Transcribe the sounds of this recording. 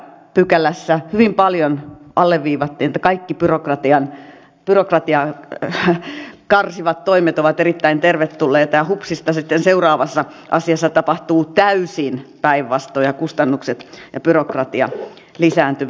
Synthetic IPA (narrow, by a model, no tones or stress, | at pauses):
pykælːˑæsːæhyʋimpɑljonʔɑlːeʋʋiːʋɑt̪ːiːnet̪ːˑæ̥kɑikːipyrokrɑt̪iɑn | pyrokrɑt̪iɑ | kɑrsiʋɑt̪toimet̪oʋɑt̪erit̪ːæint̪erʋet̪tulːeːt̪ɑjɑhupsist̪ɑsit̪ːenseurɑːʋɑsːɑ | ʔɑ̰siɑsːɑt̪ɑpɑht̪uːt̪æysinpæiʋːɑst̪oːjɑkust̪ɑnːukset̪jɑpyrokrɑt̪iɑ̰ | lisæːnt̪yʋ